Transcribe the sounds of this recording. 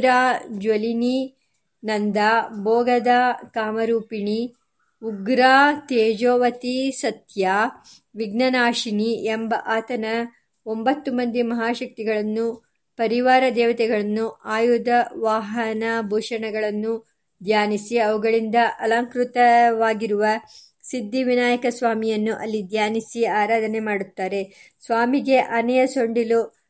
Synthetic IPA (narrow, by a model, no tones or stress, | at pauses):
ɾaːd͡ʒolini | nɐnd̪aːbɔːɡɐd̪aːkaːmɐɾuːpiɳi | uɡɾaːt̪eːd͡ʒoːʋɐt̪isɐt̪jaː | ʋiɡnɐnaːʂiniembɐʔaːt̪ɐnɐ | ombɐt̪ːumɐnd̪imɐɦaːʃɐk̚t̪iɡɐɭɐnːu | pɐɾiʋaːɾɐd̪ɛːʋɐt̪ɛɡɐɭɐnːuʔaːjud̪ɐʋaːɦɐnabʱuːʂɐɳɐɡɐɭɐnːu | d̪ʱjaːnisiɐʋuɡɐɭind̪ɐʔɐlɐŋkɾut̪ɐʋaːɡiɾuʋɐ | sid̪ːiʋinaːjɐkɐsʋaːmijɐnːuʔɐlːid̪ʱjaːnisiaːɾaːd̪ɐne̞maːɽut̪ːaːɾe̞ | sʋaːmiɡe̞ʔɐnɛjɐso̞ɳɖilu